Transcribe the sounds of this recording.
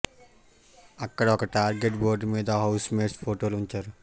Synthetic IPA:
ɐkːɐɽɐɔkɐʈaːɾɡe̞ʈboːɾɖmiːd̪ɐɦɐwsmeːɾspʰoːʈoːluɲt͡ʃaːɾu

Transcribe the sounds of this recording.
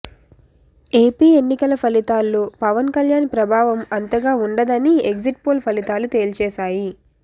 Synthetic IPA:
e̞ːpiːe̞nːikɐlɐpʰɐlit̪aːlːoːpɐʋɐnkɐljaːnpɾɐbʱaːʋɐmɐnt̪ɐɡaːuɳɖɐd̪ɐnieɡziʈpoːlpʰɐlit̪aːlut̪eːlt͡ʃɛːsaːji

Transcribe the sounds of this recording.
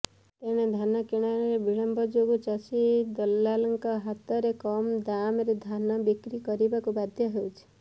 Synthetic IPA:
t̪eɽ̃ed̪ʱanɔkiɽ̃añɔɾebiɭɔmbɔd͡ʒoɡut͡ʃasid̪ɔlːalɔŋkɔɦat̪ɔɾekɔmd̪amɾed̪ʱanɔbikɾikɔɾibakubad̪ʱjɔɦewt͡ʃʰi̥

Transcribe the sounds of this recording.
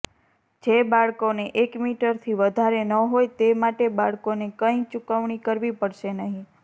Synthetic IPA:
d͡ʒebaɭkoneʔekmiʈəɾt̪ʰiʋəd̪ʱaɾenəɦojt̪emaʈebaɭkonekəĩt͡ʃukəʋɳikəɾʋipəɽʃenəɦĩ

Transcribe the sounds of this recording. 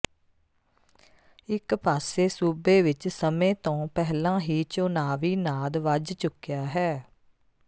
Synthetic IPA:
ɪkpaːseːsuːbeːʋɪt͡ʃsəmẽːt̪õːpɛɦlãːɦiːt͡ʃoːnaːʋiːnaːd̪ʋəd͡ʒt͡ʃʊkjaːɦɛː

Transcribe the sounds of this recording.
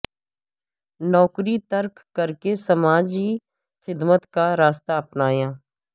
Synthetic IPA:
nɔːkɾit̪əɾkkəɾkesəmaːd͡ʒi | xɪd̪mət̪kaɾaːst̪aɐpnaːjãː

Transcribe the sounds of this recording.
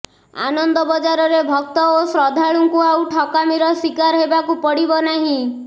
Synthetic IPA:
a̰nɔnd̪ɔbɔd͡ʒaɾɔɾebʱɔk̚t̪ɔosɾɔd̪ʱaɭuŋkuawʈʰɔkamiɾɔswikaɾɦebakupɔɽibɔnaɦĩ

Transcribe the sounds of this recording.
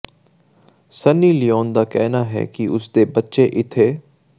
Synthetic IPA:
sənːiːlɪjoːnd̪aːkɛːnaɦɛ̰kiʊsd̪eːbətːʃeʔɪt̪ʰːeː

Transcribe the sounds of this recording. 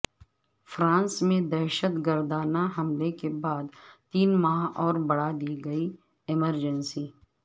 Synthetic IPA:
fɾãːnsmẽd̪ɛɾʃət̪ɡəɾd̪aːnaɦɐmlekebaːd̪t̪iːnmaɦɔːɾbɐɽad̪iːɡɐi | ɪməɾd͡ʒənsiː

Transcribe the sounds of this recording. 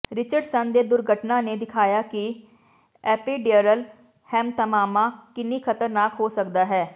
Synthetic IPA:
ɾɪt͡ʃəɖsənd̪eːd̪ʊɾɡʱəʈnaːneːd̪ɪkʰaːjaːki | ɛːpiːɖiəɾəl | hɛːmt̪əmaːmãːkɪniːkʰət̪əɾnaːkɦoːsək̚d̪aːɦɛː

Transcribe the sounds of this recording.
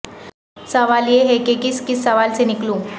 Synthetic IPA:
sɐʋaljeɦekekiskisːɐʋalseniklũː

